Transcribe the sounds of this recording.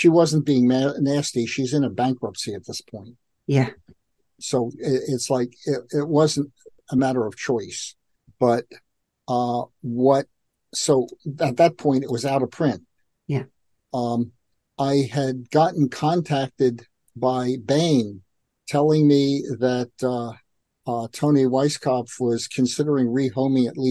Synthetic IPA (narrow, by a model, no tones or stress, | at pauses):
ʃiwʌz̃n̩b̥iɪ̃ŋnnæstiʃizɨ̃nɨbæ̃ŋkɹʌpsiɨt̪̚ðɪspʰɔ̃ɪ̃nt̚ | jæ | soʊɪɪtslaɪkɪɪt̚wʌzɨ̃n̩t̚ | əmæɾə˞ʌv̥t͡ʃʰɔɪs | b̥ʌt̚ | ʌwʌt̚ | soʊɨt̪̚ðɨt̚pʰɔ̃ɪ̃nɨt̚wʌzaʊɾəpʰɹ̥ɪ̃nt̚ | j | ʔaɪɨd̚ɡɑʔn̩kʰɑ̃ntʰæk̚tɨd̚ | baɪbẽɪ̃n | tʰɛlˠɪ̃ŋmiðɨt̚ʌ | tʰõʊ̃niwaɪskʰɑfwʌz̥kʰɨ̃nsɪɾə˞ɪ̃ŋɹihõʊ̃mĩŋɨtʔˡli